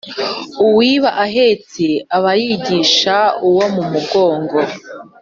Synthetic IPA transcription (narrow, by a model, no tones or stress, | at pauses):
uwiːβaʔaɦet͡siaβajiɟiːʃauwomumuɡo̞ːŋɡo